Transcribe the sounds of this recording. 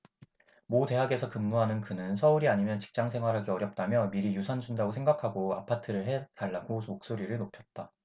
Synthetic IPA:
mote̞ɦaɡe̞sʰʌkɯmːuɦanɯnkɯnɯnsʰʌuɾiaɲimjʌnt͡ɕi̥k̚t͡ɕ͈aŋsʰe̞ŋɦwaɾɦaɡeʌɾjʌp̚t͈amjʌmiɾijusʰʌnd͡ʑundaɡosʰe̞ŋɡakʰaɡoa̰pʰatʰɯɾɯɭɦe̞taɭːaɡomok̚s͈oɾiɾɯɭnopʰjʌt̚t͈a

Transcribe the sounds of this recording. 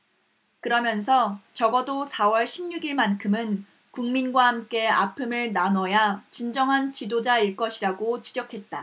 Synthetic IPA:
kɯɾʌmjʌnsʰʌt͡ɕʌɡʌdosʰawʌɭɕʰimɲuɡiɭmankʰɯmɯn | kuŋminɡwahamk͈e̞a̰pʰɯmɯɭnanʌjat͡ɕind͡ʑʌŋɦant͡ɕidod͡ʑaiɭk͈ʌɕʰiɾaɡot͡ɕid͡ʑʌkʰe̞t̚t͈a

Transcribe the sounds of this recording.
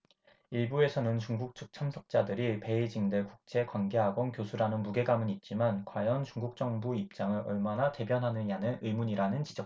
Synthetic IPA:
iɭbue̞sʰʌnɯnt͡ɕuŋɡuk̚t͡ɕʰɯk̚t͡ɕʰamsʰʌk̚t͡ɕ͈adɯɾipe̞id͡ʑiŋdekuk̚t͡ɕ͈ʰe̞kwanɡe̞ɦaɡonkjosʰuɾanɯnmuɡe̞ɡamɯnit̚t͡ɕ͈imankwajʌnt͡ɕuŋɡuk̚t͡ɕ͈ʌŋbuip̚t͡ɕ͈aŋɯɾʌɭmanate̞bjʌnɦanɯɲanɯnɯmuɲiɾanɯnt͡ɕid͡ʑʌk̚

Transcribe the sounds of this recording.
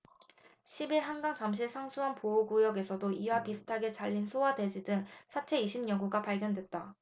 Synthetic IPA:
ɕʰibiɭɦanɡaŋt͡ɕamɕ̬ʰisʰaŋsʰuɦanpooɡujʌɡe̞sʰʌdoiwapisʰu̥tʰaɡe̞t͡ɕaʎːinsʰowade̞d͡ʑidɯŋsʰat͡ɕʰe̞iɕʰimɲʌŋɡuɡapaɭɡjʌndwe̞t̚t͈a

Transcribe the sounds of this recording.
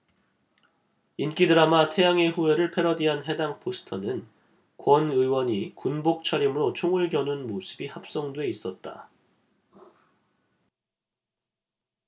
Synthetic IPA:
ink͈idɯɾamatʰe̞jaŋe̞ɸue̞ɾɯɭpʰe̞ɾʌdiɦanɦe̞daŋpʰosʰɯ̥tʰʌnɯn | kwʌnɯjwʌɲikunbok̚t͡ɕʰaɾimɯɾot͡ɕʰoŋuɭɡjʌnunmosʰɯbihap̚s͈ʌŋdwe̞is͈ʌt̚t͈a̰

